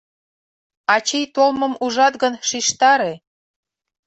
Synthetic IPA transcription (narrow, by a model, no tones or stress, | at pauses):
ɑt͡ɕijt̪olmə̆muʒɑt̪ɣənʃiʃt̪ɑɾe